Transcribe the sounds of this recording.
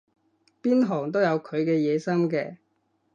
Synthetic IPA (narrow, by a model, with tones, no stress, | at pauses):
piː˥nɦɔː˨˩ŋt̪̬o˥wjɐ˨˧wkʰɵ˨˧ɥkɛː˧jɛː˨˧sɐ˥mkɛː˧